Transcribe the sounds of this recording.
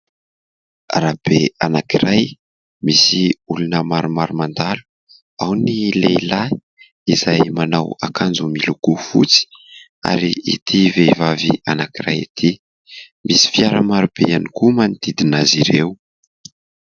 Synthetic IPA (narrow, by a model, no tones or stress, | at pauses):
rab̥eanakiɾaj | misiulunəmaɾumaɾumand̪alu̥ | awnilela | izajmanawakʰand͡zumilukufut͡si̥ | a̰ɾiḭt̪ʰiveivavianakiɾajḭt̪ʰi | mʔisi̥fiaɾəmaɾub̥ejanikumanid̪̥id̪inaziɾew